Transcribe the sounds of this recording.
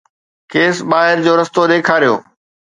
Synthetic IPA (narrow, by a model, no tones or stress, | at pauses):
keːsɓaːɦɪɾd͡ʑoːɾɐst̪oɗ̪eːkʰaːɾijo̰ː